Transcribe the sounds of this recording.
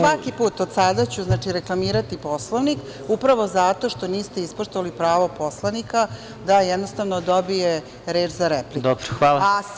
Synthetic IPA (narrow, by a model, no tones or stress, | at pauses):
ʋakipuːt̪od̪sad̪at͡ɕuznaːt͡ʂiɾeklˠamiːɾat̪iposloʋnik | upɾaʋo̞zat̪o̞ʃt̪o̞niːst̪eispuʃt̪oʋalipɾaːʋo̞po̞slˠanika | d̪ajɛd̪no̞st̪aʋnod̪o̞bije | ɾeːd͡ʒzaɾeplikd̪obɾxʋaːla